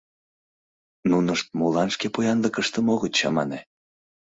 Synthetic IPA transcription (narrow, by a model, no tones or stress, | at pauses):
nunəʃt̪̚mulɑnʃkepojɑnləkəʃt̪əmoɣət͡ɕɑmɑ̰ne